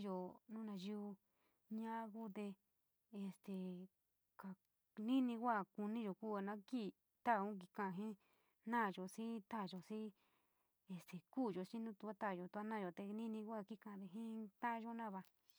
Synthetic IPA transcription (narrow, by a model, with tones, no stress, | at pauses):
jo˧˨nũ˦nã˧ʒi˧u˧ | ɲã˦˧˦ku˦t̪e˧ | e˧˨st̪e˨ | ka˨ | nĩ˦nĩ˧kʷa˦˨ku˧nĩ˦ʒo˨ku˦a˧nã˦ki˦ | t̪a˦˨ũ˦˧k̬i˧kã˨˧˨ɦẽ˦ | nã˦˨ʒo˨sĩ˦t̪a˦˨ʒo˨sĩ˦ | e˧st̪e˨kuː˦˨ʒo˨ʃĩ˦nũ˦t̪u˧a˦t̪a˦˨jo˨t̪u˧a˦nã˦˨jo˧˨t̪e˧nĩ˦nĩ˧kʷa˦˨ki˦˨kã˧d̪e˨ɦĩ˦t̪ã˦ʔʒo˦nã˦˨βa˧